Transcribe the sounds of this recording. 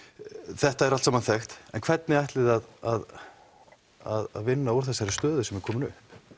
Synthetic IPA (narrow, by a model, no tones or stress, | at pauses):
θɛht̪aɛɾalsamanθɛxt̪ɛ̰nkʰv̥ɛt̪̚nɪajht̪lɪðaðað | a̰ða̰ðvɪnːaɔɾ̥θɛsːaɾɪst̪œːðʏsɛmɛɾkʰɔːmɪnʏ̰hp